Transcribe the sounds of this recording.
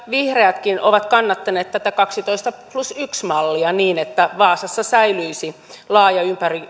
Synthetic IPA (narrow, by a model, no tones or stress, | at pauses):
ʋihreæt̪kinʔoʋɑt̪kɑnːɑt̪ːɑneːt̪t̪ːæt̪ækɑksit̪oist̪ɑplusyksmɑlːiɑniːnet̪ːæʋɑːsɑsːɑsæilyisi | lɑːjɑympæri